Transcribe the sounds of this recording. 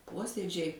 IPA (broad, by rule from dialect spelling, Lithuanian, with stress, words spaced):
ˈpoːsʲiɛd͡ʒʲɛɪ